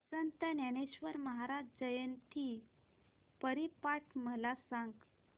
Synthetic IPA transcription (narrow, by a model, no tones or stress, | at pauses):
sənt̪ənjañeɕʋəɾməɦaɾad͡ʑd͡ʑəjənt̪i | pəɾipaʈʰməlasãŋɡ